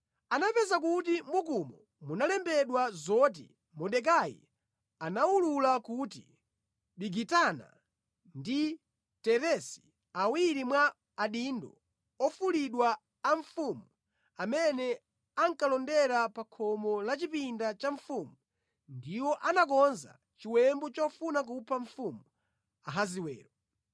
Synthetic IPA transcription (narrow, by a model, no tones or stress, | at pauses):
anapɛzak̬utimukumɔ | munalɛmbɛɗwazɔt̬ḭ | mɔɗɛk̬ajḭ | anawululakuti | ɓiɡitana̰ | ndi | tɛɾɛsi̥ | awiɾimwaː | ɗindɔ | ɔfuliɗwaː | ɱfumu | amɛnɛ | aŋkalɔndɛɾapakʰɔmɔlat͡ʃipindat͡ʃaɱfumu | ndiwɔʔanakɔnza̰ | t͡ʃiwɛmbɔt͡ʃɔfunak̬upʰaɱfumu | aɦaziwɛ̰ːɾɔ